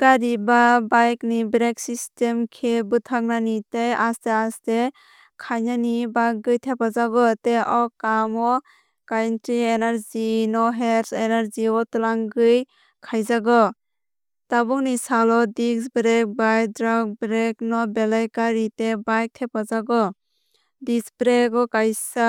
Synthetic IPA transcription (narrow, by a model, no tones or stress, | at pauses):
kaɾibabajknibɾeksistemkʰebɯtʰak̚nanitejasteaste | kʰajnanibajk̚ɡɯjtʰepazaɡɔteʔɔwkamɔ | kajntɾienaɾzinɔɦeɾenaɾziɔtɯlaŋɡɯj | kʰajzaɡɔ | tabuŋnisalɔdisbɾek̚baj̚dɾaɡ̚bɾeknɔbelajkaɾitebajk̚tʰep̚azaɡɔ | disbɾeɡɔkajsa